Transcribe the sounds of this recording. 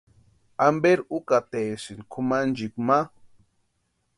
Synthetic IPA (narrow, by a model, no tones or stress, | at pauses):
ambeɾukat̪esinkʰumand͡ʒikma